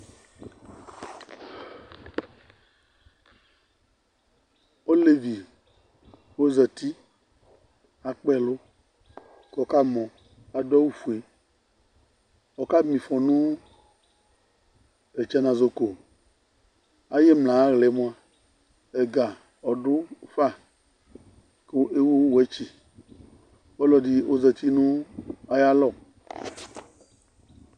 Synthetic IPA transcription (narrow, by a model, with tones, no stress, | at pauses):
o˦le˨vi˨ | wo˦zɛ˨t̪i˦ | a˨k͡pɛ˦lo˦ | kɔ˨ka˦mɔ̃˨ | a˨dɔ˦wu˦fu˨e˨ | ɔ˨ka˦mĩ˨fɔ˨nũ˦ | e˨t͡ʃɛ˦nã˨zo˨ko˨ | a˨jɛ˦mlã˨˦ɣle˨˦mõ˦ã˦˨ | e˨ɡa˨ | ɔ˨ɖo˦fa˦˨ | ke˦ʔe˦wu˦wwo˨e˦t͡ʃi˨ | wɔ˦lɔ˨di˦o˦ze˨t̪i˦nũ˦a˨ja˦lɔ˨